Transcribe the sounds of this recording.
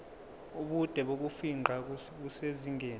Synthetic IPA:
uɓud̥ʱɛɓok̬ufiŋ͡ǃʱa | k̬useziŋʱeːn

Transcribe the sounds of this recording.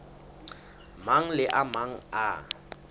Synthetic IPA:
maŋ̩lɪʔamaŋ̩a

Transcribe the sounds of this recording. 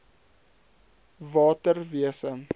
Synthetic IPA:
vɑːtərviəsə

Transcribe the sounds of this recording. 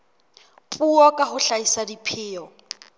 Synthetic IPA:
pʼuɔkʼaɦʊɬaisadipʰɪːɔ

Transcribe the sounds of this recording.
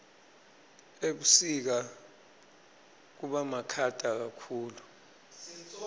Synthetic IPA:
eɓusik̬a | k̬uɓamakʰad̥ʼʱak̬akʰuːlu

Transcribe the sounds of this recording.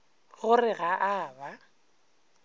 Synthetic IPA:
ɣʊrɪɣaʔaːba

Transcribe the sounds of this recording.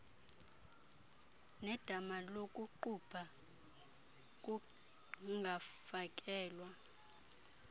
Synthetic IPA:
nɛd̥ʱamalokʼuǃub̥ʰʱa | k̬ʼu | ŋɡʱafak̬ʼɛːlwa

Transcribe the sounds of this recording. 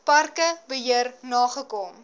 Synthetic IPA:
pɐrkəbəɦiərnɑːχəkɔm

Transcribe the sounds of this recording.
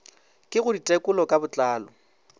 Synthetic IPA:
kʼɪɣʊditʼɛkʼʊlɔkʼabʊt͡ɬʼaːlɔ

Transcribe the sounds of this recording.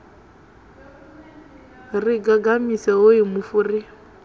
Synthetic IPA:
riɡaɡamisɛɦoimufuri

